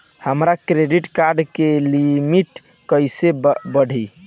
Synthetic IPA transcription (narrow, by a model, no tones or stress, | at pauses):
həmɾakɾeɖiʈkaɾɖkelimiʈ | kəjsebəɽ̤ʱi